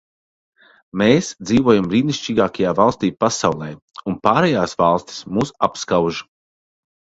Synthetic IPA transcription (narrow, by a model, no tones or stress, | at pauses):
meːsd̪ziːvuɔjamɾiːniʃt͡ʃiːɡaːkajaːvalˠst̪iːpasawlˠɛj | unpaːɾɛjaːsvalˠst̪ʲi̥smuːsa̰pskawʒ